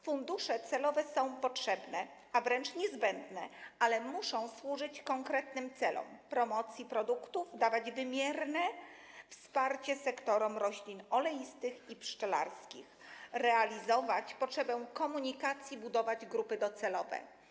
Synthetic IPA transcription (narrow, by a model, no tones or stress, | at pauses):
fund̪uʂɛt̪sɛlɔvɛsɔ̃w̃pɔtʂɛbnɛ | avɾɛnt͡ʂɲɛzbɛnd̪nɛalɛmuʂɔ̃w̃swuʐɘt͡ɕkɔŋkɾɛt̪nɘmt̪sɛlɔ̰mpɾɔmɔt̪sʲjipɾɔd̪ukt̪uvd̪avad͡ʑvɘmʲjɛɾnɛfspaɾt͡ɕɛsɛkt̪ɔɾɔmɾɔɕlʲinɔlɛjist̪ɘxipʂt͡ʂɛla̰ɾskʲixɾɛalʲizɔvat͡ɕpɔtʂɛbɛ̃kɔmuɲikat̪sʲjibud̪ɔvad͡ʑɡɾupɘd̪ɔt̪sɛlɔvɛ̰